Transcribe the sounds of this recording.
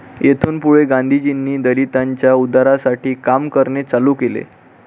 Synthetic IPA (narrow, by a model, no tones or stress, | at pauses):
jet̪ʰuːnpuɭeɡãnd̪ʱid͡ʑinːiːd̪əlit̪aɲt͡ɕjaud̪aɾasaʈʰiːkamkəɾɳet͡salukelḛ